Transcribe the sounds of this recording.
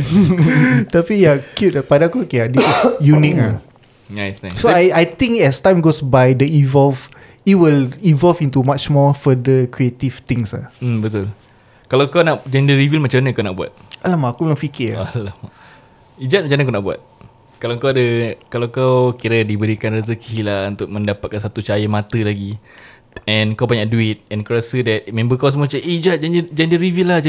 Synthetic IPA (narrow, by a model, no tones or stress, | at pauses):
t̪apijakjut̚apadakukeadisisjunik̚a | najsnajssoajajt̪ĩŋkɛst̪ãjmɡosbajdəivɔlf | iwilĩvɔlfĩnt̪umat͡ʃmɔfədəkɾiet̪ivt̪ĩŋsa̰m̩bət̪ul | kalakawnaʔd͡ʒɛ̃ndəɾivilmat͡ʃamanəkawnaʔbua̰t̪̚alamaːkubəlaŋfikialama | id͡ʒat̪̚mat͡ʃamnãkawnaʔbua̰t̪̚ | kalawkaadəkalawkawkiɾədibəɾikanrəzəkʰilaunt̪ʊk̚mə̃ndapat̪̚kansat̪ut͡ʃajəmãt̪əlaɡi | ɛ̃nkawpaɲaʔduit̪̚ɛ̃nkəɾasədɛt̪̚mɛ̃mbəkaws̬əmot͡ʃaʔid͡ʒat̪̚d͡ʒɛndəd͡ʒɛndəɾivilahd͡ʒ